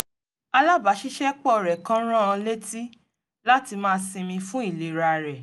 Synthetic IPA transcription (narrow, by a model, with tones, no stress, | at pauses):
a˧la˦ba˨˦ʃi˦ʃɛ˦k͡pɔ˦˨ɾɛ˨kã˦ɾ̃ã˦ã˧le˦ti˦ | la˦ti˧mãː˦˧sĩ˧mĩ˧fũ˦i˦˨le˨ɾa˧˨ɾɛ˨